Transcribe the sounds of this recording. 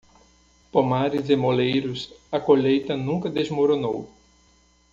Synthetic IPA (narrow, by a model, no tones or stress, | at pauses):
pomaɾɪzɪmolejɾʊsɐkoʎejt̪ɐnũkɐd̪ezmoɾonow